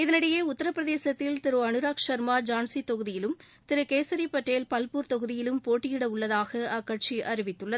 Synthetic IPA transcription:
ɪðɐnɪɽɐjeːʊt̪ːɐɾɐpːɾɐðeːsɐt̪ːɪlt̪ɪɾoːɐnɯɾaːkʂɐɾmaːd͡ʒaːnsit̪ɔɣɯðɪjɪlɯm | t̪ɪɾɯkeːsɐɾipːɐʈːeːlpɐlpuːɾt̪ɔɣɯðɪjɪlɯmpoːʈːɪjɪɽɐʊɭːɐðaːɣɐɐkːɐʈ̚t͡ʃiʔɐɾɪʋɪt̪ːɯɭːɐð

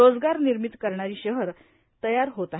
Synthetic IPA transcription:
od͡zɡaɾniɾmit̪kəɾɳaɾiːɕəɦəɾ | t̪əjaɾɦot̪a

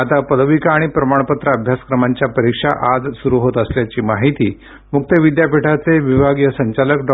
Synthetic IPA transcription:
at̪apəd̪ʋikaːɽ̃ipɾəmaɳ̃pət̪ɾəəbʱjasə̥kɾəmaɲt͡ɕjapəɾikʂa̰ʔad͡zsuɾuɦot̪əsljat͡ɕiːmaɦit̪iː | muk̚t̪əʋid̪japiʈʰat͡seʋibʱaɡjəsəɲt͡ɕaləkɖ

